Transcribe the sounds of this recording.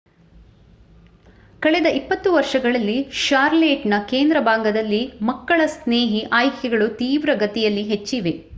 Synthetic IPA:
kɐɭɛd̪ɐʔipːɐt̪ːuʋɐɾʂɐɡɐɭɐlːiʃaːɾleːʈnɐkeːnd̪ɾɐbaːŋɡɐd̪ɐlːimɐkːɐɭɐsneːɦiʔaːjkʰɛɡɐɭut̪iːʋɾɐɡɐt̪ɛjɐlːiɦet͡ʃːiʋe̞

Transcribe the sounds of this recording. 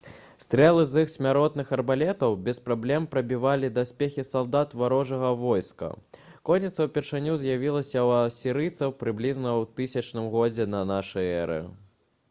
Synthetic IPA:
st̪ɾɛlˠɨzɨxsʲmʲaɾɔt̪nɨxɐrbalʲɛt̪ɐwbʲɛspɾablʲɛmpɾɐbʲivalʲid̪asʲpʲexʲisalˠd̪at̪vaɾɔʐɐɣɐvɔjskɐ̰ | kɔnʲːit̪sɐwpʲɛrʂanʲuzʲjavʲilˠɐsʲɐwɐsʲiɾɨjt̪sɐwpɾɨblʲiznɐwt̪ɨsʲɐt͡ʂnɨmɣɔd͡zʲɛnɐnaʂɨjɛɾɨ̰

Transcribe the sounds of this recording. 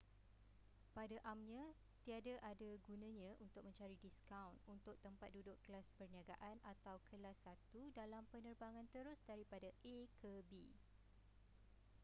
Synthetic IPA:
padaʔamɲã | t̪iadaʔadaɡunãɲãʔunt̪ʊk̚mə̃ɲt͡ʃaɾidiskawnunt̪ʊk̚t̪əmpat̪̚dudʊʔkəlaspərniaɡa̰ʔanat̪awkʰəlasːat̪udalampənərbaŋãnt̪əɾʊsdaɾipadaʔekʰəbi

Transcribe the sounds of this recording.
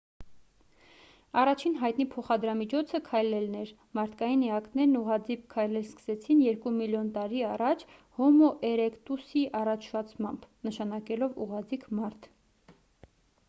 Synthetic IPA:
ɑrɑt͡ʃʰinɦɑjt̪nipʰɔχɑd̪ɾɑmit͡ʃʰɔt͡sʰəkʰɑjlɛlnɛɾ | mɑɾt̪ʰkɑjinɛɑknɛɾnuʁɑd͡zip̚kʰːɑjlɛlskə̥sɛt͡sʰinjɛɾkumiljɔnt̪ɑɾiɑrɑt͡ʃʰ | hɔmɔʔɛɾɛkt̪usiʔɑrɑt͡ʃʰfɑt͡sʰmɑmbnəʃɑnɑkɛlɔvṵʁɑd͡zikmɑɾt̪ʰ

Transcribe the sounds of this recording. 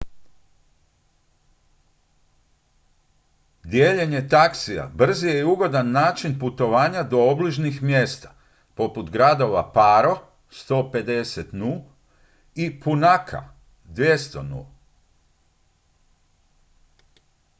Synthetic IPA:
d̪jeːʎeɲe̞t̪aksia̰br̩zijeuɡo̞d̪anːaːt͡ʃinput̪o̞ʋaːɲad̪o̞obliʒnixmje̞st̪ḁ | po̞put̪ɡɾad̪o̞ʋapaːɾo̞ | st̪o̞ːpe̞d̪e̞set̪nul | ipunakʰa̰ | d̪ʋje̞st̪o̞̰nṵ

